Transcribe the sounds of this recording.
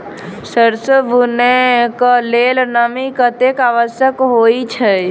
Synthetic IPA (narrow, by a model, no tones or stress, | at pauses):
səɾsəbunekəlelnəmikət̪ekaʋəsjəkɦoit͡ʃʰə